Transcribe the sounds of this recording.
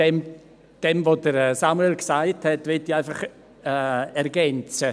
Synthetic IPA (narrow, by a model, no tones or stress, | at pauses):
d̥ɛm | d̥ɛmvodəɾɛsaməlksaɪthɛtvɪtiaɪfaχ | ɛɛɾɡɛnt͡sə